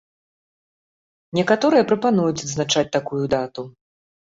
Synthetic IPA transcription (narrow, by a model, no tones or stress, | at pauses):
nʲɛkat̪ɔɾɨjɛpɾɐpanujut͡sʲɐd̪znat͡ʂat͡sʲt̪akujud̪at̪u